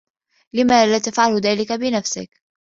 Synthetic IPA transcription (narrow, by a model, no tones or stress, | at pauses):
lɪmaːlaːt̪afʕalʊðaːlɪkabɪnafsɪ̰k